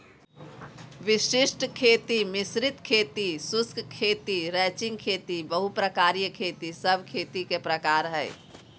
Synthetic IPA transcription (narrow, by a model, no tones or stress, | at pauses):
ʋiʃisʈkʰeːt̪imisɾit̪kʰeːt̪isʊskkʰeːt̪iɾɛːt͡ʃɪ̃ŋɡ̚kʰeːt̪ibəɦupɾəkaːɾijəkʰeːt̪isəbʱkʰeːt̪ikepɾəkaːɾɦɛɪ